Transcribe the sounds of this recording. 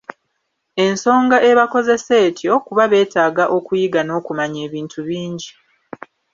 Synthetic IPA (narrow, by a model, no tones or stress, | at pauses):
e̞nso̞ːŋɡaʔe̞βako̞ze̞se̞ːtʰjo̞kuβaβe̞ːtaːɡaʔo̞kujiɡano̞ːkumaɲeːβiːntuβiːɲɟi